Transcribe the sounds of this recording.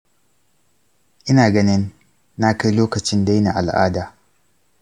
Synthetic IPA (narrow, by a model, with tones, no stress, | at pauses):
ʔɪ˦naː˨ɡɐ˦nɪ˦nː | a˦ka˦jloː˦kɐ˨t͡ʃɪ˦nda˦jna̰˨ʔa˨lʔa̰ː˦daː˨